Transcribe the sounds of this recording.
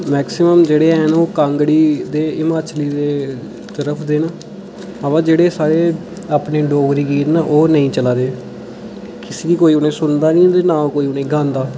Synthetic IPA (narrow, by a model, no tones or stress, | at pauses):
mɛːksɪməmd͡ʒeːɽeːɛːnːoːkãːŋɡɽiːd̪eːɪmaːt͡ʃliːd̪eː | t̪əɾəpʰd̪eːnaː | əʋãːd͡ʒeːɽeːsaːɾeː | aːpneːɖoːɡɾiːɡiːt̪naːʔoːnəĩːt͡ʃəlaːd̪eː | kɪseːd̪iːkoːiːʊnẽːsʊnd̪aːnĩːt̪eːnãːkoːiːʊnẽːɡãːnd̪aː